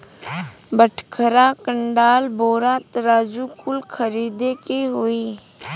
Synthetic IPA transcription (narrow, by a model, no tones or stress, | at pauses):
bəʈʰkʰəɾakəɳɖaːlboːɾaːt̪ɾaːd͡ʒukʊlkʰəɾiːd̪ekiɦoiː